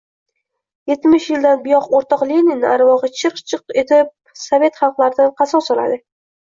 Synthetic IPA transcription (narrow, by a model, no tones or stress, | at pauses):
je̞t̪ːmɪʃjɪld̪anbʊjɒqoɾt̪ʰɒqlenɪnaɾvɒʁɨt͡ʃʰɨqt͡ʃʰɨqe̞t̪ʰɪp̚ | save̞t̪χɑlˠqlˠaɾɪd̪anqʰɑsɒsɒla̰d̪ɪ